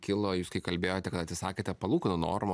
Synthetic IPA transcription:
kʲɪlˠojuːskɐɪkɐlʲbʲeːjoːt̪ʲɛkɐt̪ɐt̪ʲsʲɪsɑːkʲeːt̪ʲɛpɐlˠuːkʲɪnʊno̰ːrmo

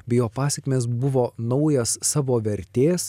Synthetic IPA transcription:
bʲɛjoːpɑːsʲɛkmʲeːs̬bʊʋoːnɐʊjɛssɑːʋoːʋʲɛɾʲt̪ʲeːs

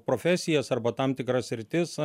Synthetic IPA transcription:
pɾoːfʲɛsʲɪjɛsɐrbɐt̪ɐmt̪ʲɪkɾɐssʲɾʲɪt̪ʲɪs

